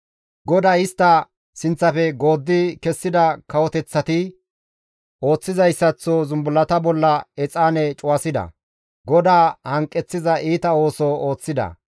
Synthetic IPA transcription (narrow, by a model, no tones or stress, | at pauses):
ɡɔd̪aːɪst̪ːɐ | sɪnt͡sːɐfɛɡo̞ːd̪ːɪkɛsːɪd̪ɐkɐwɔt̪ɛt͡sːɐt̪ɪ | o̞ːt͡sːɪzɐjsːɐt͡sːozʊmbʊlːɐt̪ɐbɔlːɐɛt͡sʼaːnɛt͡ʃʼʊwɐsɪd̪ɐ̰ | ɡɔd̪aːhɐŋkʼːɛt͡sːɪzɐʔiːt̪ɐo̞ːsɔoːt͡sːɪd̪ɐ̰